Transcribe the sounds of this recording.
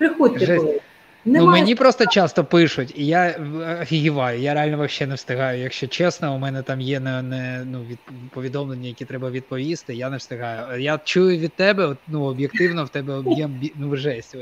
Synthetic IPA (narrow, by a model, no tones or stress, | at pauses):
pɾɪxɔʒɛ | nnumenʲipɾɔst̪ɔt͡ʃast̪ɔpɪʂʊtʲijaɐfʲiɦɪʋɑjʊjaɾealʲnɔʋɐʃʲt͡ʃɛnɛwst̪ɪɦɑjʊjɐkʃt͡ʃɔt͡ʃɛsnɔʊmɛnɛt̪ɑmjɛnɛnɛnuʋʲid̪pɔʋʲid̪ɔmlˠenʲːɐjɐkʲit̪ɾɛbɐʋʲid̪̚pɔʋʲist̪ɪjanɛwst̪ɪɦɑjʊjat͡ʃujʊʋʲid̪̚t̪ɛbɛɔt̪nuɔbjekt̪ɪwnɔwt̪ɛbɛɔbjɛmbʲinuʒɛsʲtʲ